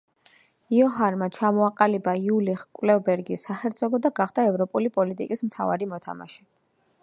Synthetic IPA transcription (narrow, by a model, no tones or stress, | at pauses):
iɔɦaɾmat͡ʃʰamɔaqʼalibaiuliχkʼwlɛvbɛɾɡisːaχɛɾt̪zʰɔɡɔd̪aɡaχd̪̥aɛvɾɔpʼulipʼɔlit̪ʼikʼismt̪ʰa̰va̰ɾimɔt̪ʰa̰ma̰ʃɛ